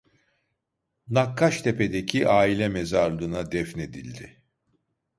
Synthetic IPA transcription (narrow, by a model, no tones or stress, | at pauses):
nakʰːaʃt̪ʰe̞pʰed̪ecʰiʔaːilʲɛmezaɾlˠɯnad̪ɛfne̞d̪ilʲd̪ɪ